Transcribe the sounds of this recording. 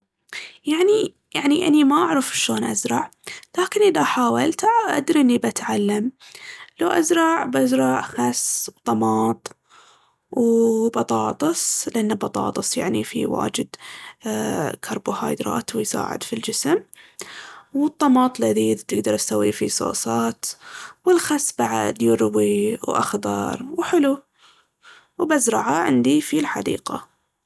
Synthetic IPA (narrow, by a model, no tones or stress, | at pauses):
jaʕni | jaʕniʔa̰nimaʔaʕɾafʃoːnʔazɾˤɑʕlaːkɪnʔɪðaħaːwalt̪ʔa̰d̪ɾʔɪnːibʔat̪ʕalːamlawʔazɾˤɑʕbʔazɾˤɑʕxasbt̪ˤɑmɑːt̪ˤ | wbɑt̪ˤɑːt̪ˤɨsˤlʔanːabɑt̪ˤɑ̰ːt̪ˤɨsˤja̰ʕnifḭwa̰ːd͡ʒɪd̪ | kʰɑɾˤbuhɑːjd̪ɾˤɑ̰ːt̪wɪjsa̰ːʕɪ̰d̪fild͡ʒɪsm | wɨt̪ˤːɑmɑːt̪ˤlaðid̪t̪ɪɡd̪ɑɾˤʔasawːifisˤo̰ːsˤɑːt̪wɪlxasːbaʕa̰d̪jʊɾwiwʔa̰xd̪ˤɑ̰ɾˤwħɪlu | wbazɾˤɑʕaʕɪnd̪ifilħa̰d̪ḭːqa